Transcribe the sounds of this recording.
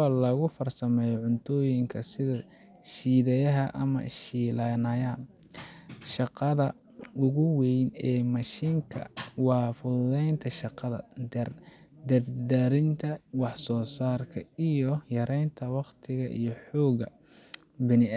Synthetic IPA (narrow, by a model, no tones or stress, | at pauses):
aːlɐɣʊfɐrsɐmɛːjɔʕʊnt̪ʰɔːjɪŋkʰɐsɪðɐ | ʃiːðɐjɐɦɐʔɐ̰mɐ̰ʃiːlanɐjaːn | ʃɑqɑðɐ | ʊɣʊwɛjnɛːmɐʃiŋkʰɐ̰wɑːfʊðɛjnt̪ʰɐʃɑqɑðɐ̰d̪ɐrd̪ɐrd̪ɐɾɪnt̪ʰɐwɑħsɔːsaːrkʰɐ̰ijɔjɐɾɛjnt̪ʰɐwɑqt̪ʰɪɣɐʔḭjɞħɔːɣɐ | bɪnɪ